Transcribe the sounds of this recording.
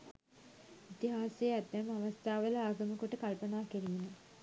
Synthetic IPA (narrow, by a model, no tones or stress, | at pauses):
it̪iɦaːsejæt̪mæmaʋast̪ʰaːʋələaːɡəməkoʈəkalpənaːkiɾimenə